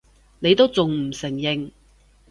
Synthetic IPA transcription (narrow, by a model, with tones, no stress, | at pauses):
ne˨˧jt̪o˥wt͡sʊ˨ŋm̩˨˩sɪ˨˩ŋjɪ˨ŋ